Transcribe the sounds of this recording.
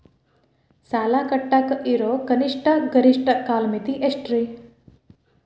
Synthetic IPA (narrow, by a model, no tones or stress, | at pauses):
saːlakəʈːakʔiɾokəniʂʈaɡəɾiʂʈakːaːlmet̪iʔesʈɾi